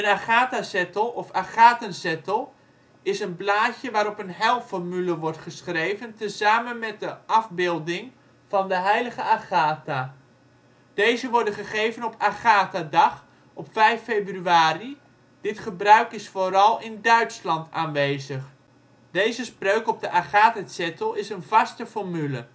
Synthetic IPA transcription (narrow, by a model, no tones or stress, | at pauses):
ənaχaːtasɛtəlˠɔfaχaːtənsɛtəlˠ | ɪsənplaːcəʋaːɾɔpənɦɛlˠfɔɹmyləʋɔɹtχəsχrejvəntəzaːmənmɛt̚dəʔɑvbɪːlˠdɪŋ | v̥ɑndəɦɛjləχəaχaːta | d̥ejzəʋɔɹdənχəχejvənɔpaχaːtadɑχ | ɔpfɛjfejbryaːri | d̥ɪtχəbrœɥkɪsfoːɾɑlˠɪndœɥtslɑntaːnʋejzəχ | d̥ejzəsprøɥkɔb̚dəʔaχaːtasɛtəlˠɪsənvɑstəfɔɹmylə